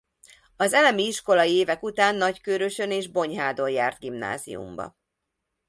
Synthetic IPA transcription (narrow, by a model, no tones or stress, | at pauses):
ɒzɛlɛmiiʃko̞lɒjieːvɛkut̪aːnːɒckøːɾøʃøneːʒbo̞ɲɦaːd̪o̞jjaːrd̪̚ɡimna̰ːzḭjṵmbɒ̰